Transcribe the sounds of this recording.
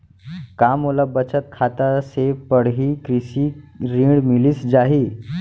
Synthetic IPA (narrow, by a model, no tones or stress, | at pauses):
kamolabət͡ɕət̪̚kʰat̪asepəɽɦikɾisiɾĩɽmilisd͡ʑaɦiː